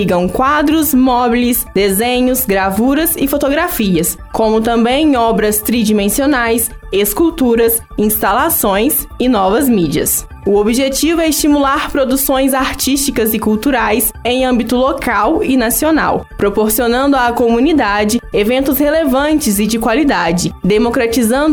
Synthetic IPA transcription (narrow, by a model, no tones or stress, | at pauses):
iɡɐ̃w̃kwad̪ɾʊsmɔbilɪsd̪ezẽɲʊzɡɾavuɾɐzɪfot̪oɡɾafiɐs | kõmʊt̪ɐ̃mbẽj̃ɔbɾɐst̪ɾid͡ʒimẽsionajs | eskuwt̪uɾɐs | ĩst̪alasõj̃sɪnɔvɐzmid͡ʒiɐ̰s | ʊobiʒet͡ʃivʊɛɪst͡ʃimulaɾpɾod̪usõj̃zaɾt͡ʃiʃt͡ʃikɐzɪkuwt̪uɾajs | ẽj̃ɐ̃mbit̪ʊlokawɪnasiona̰wpɾopoɾsionɐ̃nd̪ʊakomũnid̪ad͡ʒɪevẽnt̪ʊshelevɐ̃nt͡ʃɪzɪd͡ʒɪkwalid̪ad͡ʒɪd̪emokɾat͡ʃizɐ̃nd̪ʊ